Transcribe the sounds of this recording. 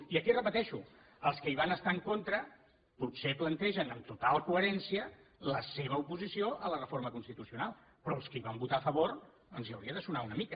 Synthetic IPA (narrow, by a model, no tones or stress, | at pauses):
iəkirəpət̪ɛʃu | əlˠskəiβ̞anəst̪aəŋkont̪ɾə | putseplənt̪ɛʒənəmt̪ut̪alˠkuəɾɛnsiələseβ̞əupuzisioʔələrəfoɾməkunst̪it̪usiunalˠ | pɾɔlˠskiβambut̪aəfəβoɾ | ənziə̰wɾiəðəsunaunəmikə